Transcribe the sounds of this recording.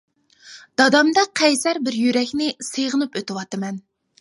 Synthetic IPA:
d̪̥ɑd̪ɑmd̪ɑqʰɛjsæɾbɪɾjyɾɛkʲnɪseʁənɨpøt̪ɨwɑt̪ɨmɛn

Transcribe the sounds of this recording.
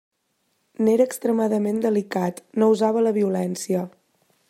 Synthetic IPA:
neɾəːkst̪ɾəmaðəmend̪əlikat̪nouzaβələβiulɛnsiə

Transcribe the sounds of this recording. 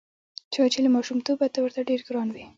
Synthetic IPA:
t͡ʃɑt͡ʃelamɑʃumt̪obat̪awəɾt̪aɖeɾɡɾɑnwi

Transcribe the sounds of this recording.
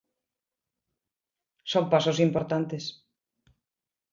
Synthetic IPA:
sompasosimpoɾt̪ant̪es

